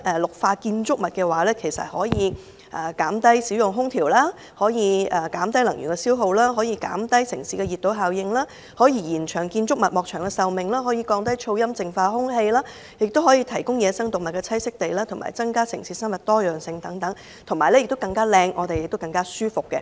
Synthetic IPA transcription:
ʔɛː˧˩lʊ˨k̚faː˧kiː˧nt͡sʊ˥k̚mɐ˨t̚kɛː˧waː˨˥lɛː˥kʰe˨˩jsɐ̰˨t̚hɔː˨˥jiː˨˧ | ʔɐː˨˩kaː˨˥mt̪ɐ˥jsiː˨˥wjʊ˨˩ŋɦʊ˥ŋt̪ʰiː˨˩wlaː˥ | hɔː˨˥jiː˨˧ɐː˨kaː˨˥mt̪ɐ˥jlɐ˨˩ŋjy̰˨˩ŋkɛ˧siː˥wɦo˧wlaː˥ɦɔː˨˥jiː˧ka̰ː˨˥mt̪ɐ˥jsɪ˨˩ŋsiː˨˧kɛ˧jiː˨t̪ːo˨˥wɦaː˨wjɪ˧ŋlaː˥ | hɔː˨˥jiː˧jiː˨˩nt͡ʃʰœː˨˩ŋkiː˧nt͡sʊ˥k̚mɐ˨t̚mɔː˨k̚t͡ʃʰœː˨˩ŋkɛ˧sɐ˨wmɪ˨˩ŋlaː˥ɦɔː˨˥jiː˧kɔː˧ŋt̪ɐ˥jt͡ʃʰo˧wjɐ˥mt͡sɪ˨ŋfaː˧hʊ˥ŋhe˧jlaː˥ | jɪ˨k̚t̪o˥whɔː˨˥jiː˧t̪ʰɐ˨˩jkʊ˥ŋjɛː˨˧sɐ˥ŋt̪ʊ˨k̚mɐ˨t̚kɛ˧t͡sʰɐ˥jsɪ˥k̚t̪e˨jlaː˥t̪ʰʊ˨˩ma̰ː˨˩jt͡sɐ˥ŋkaː˥sɪ̰˨˩ŋsiː˨˧sɐ˥nmɐ˨t̚t̪ɔː˥jœː˨˩ŋsɪ˧ŋt̪ɐ˨˥ŋt̪ɐ˨˥ŋ | t̪ʰʊ˨˩ŋmaː˨jlɛ˥jɪ˨k̚t̪o˥wkɐ˧ŋkaː˥lɛː˧ŋʔɔː˨˧t̪e˨jɪ˨k̚t̪o˥wkɐ˧ŋkaː˥syː˥fʊ˨kːɛ˧

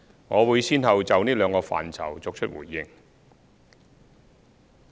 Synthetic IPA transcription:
ŋɔː˨˧wuː˨˧jsiː˥nɦɐ˨wt͡sɐ˨wniː˥lœː˨˧ŋkɔː˧fa̰ː˨˩nt͡sʰɐ̰˨˩wt͡so˨k̚t͡ʃʰɵ˥t̚wṵː˨˩jːɪ˨˧ŋ

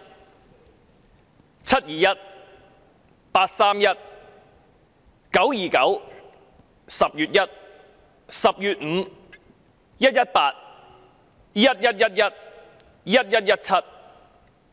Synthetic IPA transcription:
t͡sʰɐ˥t̚jiː˨˩jɐ˥t̚ | paː˧t̚saː˥mjɐ˥t̚ | kɐ˨˥wjiː˨kɐ̰˨˥w | sɐ˨p̚jyː˨t̚jɐ˥t̚ | sɐ˨p̚jyː˨t̚ŋ̩˨˩˦ | jɐ˥t̚jɐ˥t̚paː˧t̚ | jɐ˦˥t̚jɐ˥t̚jɐ˥t̚jɐ˥t̚ | jɐ˥t̚jɐ˥t̚jɐ˥t̚t͡sʰɐ˥t̚

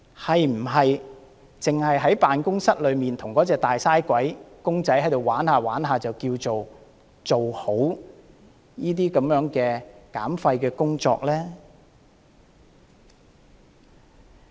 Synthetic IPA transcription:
hɐ˨jm̩˨˩ɦɐ˨j | t͡sɪ˨ŋhɐ˨jɦɐ˨˥jpaː˨nkʊ˥ŋsɐ˥t̚lɵ˨˧ɥmiː˨nt̪ʰʊ˨˩ŋkɔː˨˥t͡sɛː˨˧k̚t̪aː˨jsaː˥jkʷɐ˨˥jkʊ˥ŋt͡sɐ˨˥jɦɐ˨˥jt̪o˨waː˨˥nhaː˨waː˨˥nɦaː˨t͡sɐ˨wkiː˧wt͡so˨w | t͡so˨who˨˥w | jiː˥t̪̬iː˥kɐ˨˥mjœː˨˥ŋkɛː˧kaː˨˥mfɐ˧jkɛː˧kʊ˥ŋt͡sɔ̰ː˧k̚lɛː˥

